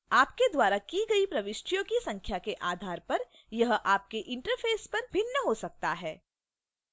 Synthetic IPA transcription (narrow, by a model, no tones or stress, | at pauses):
aːpked̪waːɾakiɡɐipɾɐʋɪʃʈijõkisɐ̃ŋkʰjakeʔaːd̪ʱaːɾpɐɾ | jɐɦʔaːp̚keʔɪ̃ɳʈəɾfʰeːspɐɾbʱɪnːəɦosɐk̚t̪aɦɛː